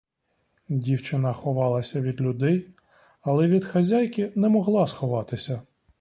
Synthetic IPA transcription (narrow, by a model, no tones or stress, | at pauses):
dʲiwt͡ʃɪnɐxɔʋɑlˠɐsʲɐʋʲid̪lʲʊd̪ɛj | ɐlˠɛʋʲid̪xɐzʲajkʲinɛmɔɦlˠɑsxɔʋɑt̪ɪsʲɐ